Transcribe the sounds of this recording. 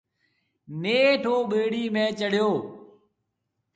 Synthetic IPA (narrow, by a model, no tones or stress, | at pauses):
neːʈʰoːɓeːɽiːmẽːt͡ʃəɽ̤joː